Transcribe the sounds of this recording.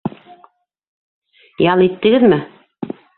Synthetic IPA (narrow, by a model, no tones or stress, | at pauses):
jɑlˠit̪ːɘ̆ɡɘðmɘ